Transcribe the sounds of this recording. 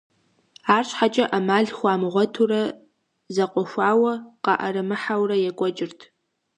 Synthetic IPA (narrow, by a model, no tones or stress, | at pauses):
aːrɕʷʰħat͡ʃʼɐʔamaːɮχʷaːmʁʷɔtʰurɐ | zɐqʷʼɔʃʷaːwɐqɑ̰ʔɐ̰ɾɨmɨħawrɐjɛkʷʼɔt͡ʃʼɪrtʰ